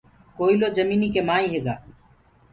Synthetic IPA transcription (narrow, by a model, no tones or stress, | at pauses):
koːiːloːd͡ʒəmiːniːkeːmaːĩːɦeːɡa̰ː